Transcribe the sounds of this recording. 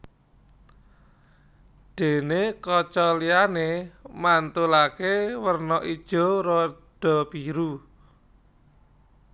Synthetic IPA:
ɖ̪̥e̤nekɔt͡ʃɔlianemant̪ulakewərnɔʔid̥ʒ̥ɔ̤ɾɔ | ɖ̥ɔ̤piɾu

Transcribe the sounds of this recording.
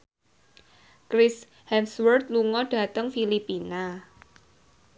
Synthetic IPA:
kɾɪs | hɛmswərt̪̚luŋɔɖ̥a̤t̪əŋfilipina

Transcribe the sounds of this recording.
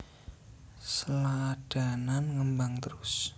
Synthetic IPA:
səlad̥a̤nanŋəmbaŋt̪əɾʊs

